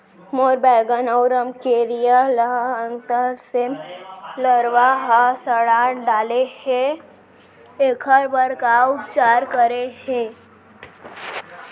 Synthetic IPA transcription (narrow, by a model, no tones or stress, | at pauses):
moːɾbɛːɡənəwɾəmkeɾijaləɦəŋt̪əɾsemləɾʋaɦasəɽaːɳɖaːlehẽ | ekʰəɾbəɾkaʊpt͡ʃaːɾkəɾehɛ̃